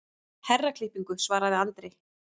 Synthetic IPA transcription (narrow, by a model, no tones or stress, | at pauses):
hɛrːakʰlɪhpiŋkʏsvaːɾaðɪant̪ɾɪ